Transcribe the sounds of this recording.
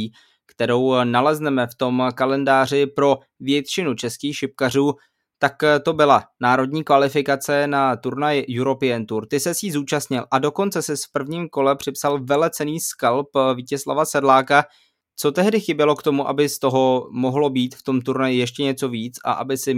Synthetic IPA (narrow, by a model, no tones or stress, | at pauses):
kt̪ɛɾo̞wnalɛznɛmɛft̪o̞mkalɛndaːr̝ɪpɾo̞ | vjɛt̪t͡ʃɪnut͡ʃɛskiːxʃɪp̚kar̝uː | t̪akt̪o̞bɪlanaːɾo̞dɲiːkvalɪfɪkat͡sɛnat̪uɾnajɪjuɾo̞pɪɛnt̪uɾt̪ɪsɛsjiːzuːt͡ʃast̪ɲɪlʔado̞ko̞nt͡sɛsɪspr̩vɲiːmko̞lɛpr̝̥ɪpsalvɛlɛt͡sɛniːskalpviːcɛsla̰vasɛdlaːka | t͡so̞t̪ɛɦdɪxɪbjɛlo̞kt̪o̞muʔa̰bɪst̪o̞ɦo̞mo̞ɦlo̞biːt̪ft̪o̞mt̪uɾnajɪjɛʃ̬cɛɲɛt͡so̞viːt͡sa̰ʔa̰bɪsɪ